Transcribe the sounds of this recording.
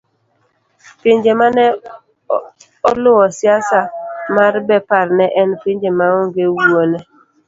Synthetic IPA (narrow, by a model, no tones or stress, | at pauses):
pɪɲd͡ʒemanɛ | ɔlʊwɔsjasamarbɛpaɾnɛʔɛnpɪɲd͡ʒemaɔŋɡewuonɛ